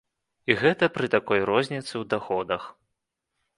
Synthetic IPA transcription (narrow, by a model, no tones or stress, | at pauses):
iɣɛt̪ɐpɾɨt̪akɔjɾɔzʲnʲit̪sɨwd̪axɔd̪ɐx